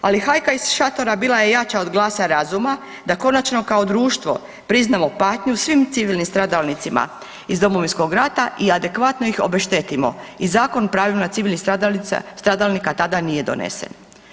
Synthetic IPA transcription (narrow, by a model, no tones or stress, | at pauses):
a̰lixajkaiz̥ʃat̪o̞ɾabiːlˠaje̞jat͡ʃao̞d̪ɡlˠaːsaɾazuma | d̪ako̞nat͡ʃno̞kao̞d̪ɾuːʃt̪ʋo̞̰ | pɾiznamo̞paːt̪ɲusʋimt̪siʋilnimst̪ɾad̪alnit̪sima̰ | izd̪o̞moʋinsko̞ɡɾat̪aʔiad̪e̞kʋat̪no̞ixo̰beʃt̪et̪imo̞̰izaːko̞npɾaːʋilmat̪siʋilnḭ | st̪ɾad̪alnikat̪ad̪anije̞d̪o̞̰nḛsḛn